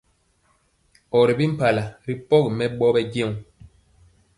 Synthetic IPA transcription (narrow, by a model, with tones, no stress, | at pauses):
ɔ˨ɾi˨bi˦m̩˦pa˨la˨ɾi˦pɔ˦ɡi˨mɛ˦ɓɔ˦bɛ˦ɡe˦˨w